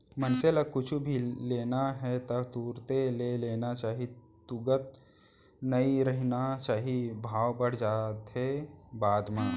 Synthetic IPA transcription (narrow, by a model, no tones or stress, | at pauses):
mənseləkʊt͡ʃʰubʱileːnaɦɛt̪ət̪uːɾt̪eleleːnat͡ʃaːɦi | t̪ʊɡət̪̚ | nəiɾəɦnat͡ʃaːɦibʱaːʋbəɽ̤d͡ʒaːt̪ɦebaːd̪mã